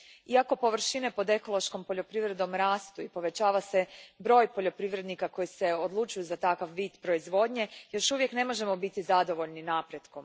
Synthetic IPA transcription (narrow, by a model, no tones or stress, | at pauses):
iako̞po̞ʋr̩ʃine̞po̞d̪e̞ko̞lo̞ʃko̞mpo̞ʎo̞pɾiʋɾe̞d̪omɾaːst̪uipo̞ʋe̞t͡ɕaːʋase̞bɾo̞ːjpo̞ʎo̞pɾiʋɾe̞d̪nikako̞jise̞o̞d̪lˠut͡ʃujuzat̪akaʋʋiːd̪pɾo̞izʋo̞ːd̪ɲe̞jo̞ʃuʋje̞kne̞mo̞ʒe̞mo̞bit̪izad̪o̞ʋo̞ʎninaːpɾe̞d̪ko̞m